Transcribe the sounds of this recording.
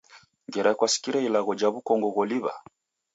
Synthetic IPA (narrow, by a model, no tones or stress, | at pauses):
ŋɡɛɾakwasi̥kiɾɛilaɣɔd͡ʒaβukɔŋɡɔɣɔliβa̰